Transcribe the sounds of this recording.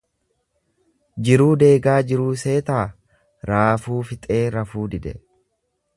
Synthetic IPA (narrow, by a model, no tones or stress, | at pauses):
d͡ʒɪɾuːd̪e̞ːɡaːd͡ʒɪɾuːse̞ːt̪aː | ɾaːfuːfɪt̪ʼe̞ːɾɐfuːd̪ɪd̪ɛ̰